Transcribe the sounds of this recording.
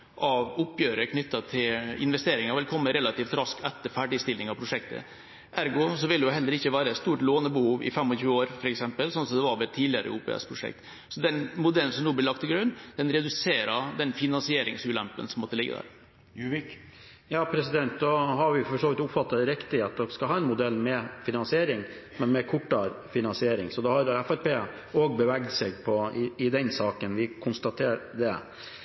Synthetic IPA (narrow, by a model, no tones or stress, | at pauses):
ʔɑʋʊpːjøːɾəɾkʰnʏt̪ːɑt̪ʰɪlɪ̰nʋɛst̪eːɾɪŋɑɾʋɪlkʰɔmːəɾɛlɑt̪iːft̪ɾɑskʰɛt̪ːəɾfæɖɪst̪ɪlnɪŋɑʋpʰɾʊʂɛk̚t̪ə̰ | ʔæɾɡʊs̬ɔʋɪlɛjʊɦɛlːəɾɪçːəʋæːɾəɛst̪uːʈloːnəbəhuːʋɪ̰fɛmːɔɕʉːəoːɾfɔɾɛksɛmpəlsɔnsɔmd̪ɛʋɑɾʋɛlt̪ʰːiːd̪lɪəɾə̰uːpʰḛːɛ̰spʰɾʊʂɛ̰k̚t̪ | sɔd̪ɛnmʊd̪ɛlːn̩sɔmnuːblɪɭɑkt̪ʰːɪlɡɾʉnd̪̥ɛnɾɛd̪ʉseːɾɑd̪ɛnfɪnɑnsɪeːɾɪŋsʉːlæmpənsɔmːɔt̪ːəlɪɡə̰d̪æ̰ːɾ | k | jɑːpʰɾɛsɪd̪ɛnt̪d̪ɔɦɑɾʋɪfɔʂoːʋɪt̪ʊpfɑt̪ːɑɾɛkt̪ɪet̪̚d̪ɔkskɑɦɑːɛnmʊd̪ɛlːmɛfɪnɑnsɪeːɾɪŋmɛnmɛkʰʊʈːɑɾfɪnɑnsɪeːɾɪ̰ŋsɔd̪ɑhɑɾæfæɾpeː | oːɡbəʋæɡd̪sɛɡ̚pʰɔɪɪd̪ɛnsɑːkənʋɪkʰʊnst̪ɑt̪ʰeːɾɖɛ